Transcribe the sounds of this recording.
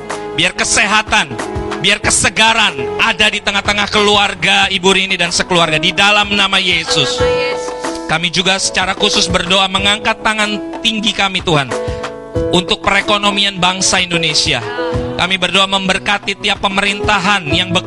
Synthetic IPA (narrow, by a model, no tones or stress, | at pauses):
biarkəseɦat̪anbiarkəsəɡaɾanʔadadit̪əŋaht̪əŋahkəluarɡaibuɾinidansəkəluarɡadidalamnamajesʊs | kamid͡ʒuɡasə̥t͡ʃaɾakusʊsbərdoʔaməŋaŋkat̪ːaŋant̪iŋɡikamit̪uɦan | unt̪ʊk̚pəɾekonomianbaŋsaindonesia̰kamibərdoaməmbərkat̪it̪iapːəməɾint̪aɦanjaŋbə